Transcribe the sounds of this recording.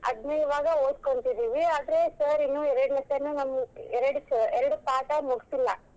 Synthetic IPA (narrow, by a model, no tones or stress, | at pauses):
ɐ̰d̪ʱnɐjɐʋaːɡɐoːd̪̚koɳt̪id̪iːʋiaːd̪ɐɾesɐːɾinːuɛɾɐɽnɐsɐnːunɐmːɐɛɾɐɽusɛɾɐɽupaːʈɐmuɡsilːɐ